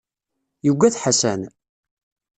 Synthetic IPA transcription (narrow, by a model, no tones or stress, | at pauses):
juɡʷːæθħasæn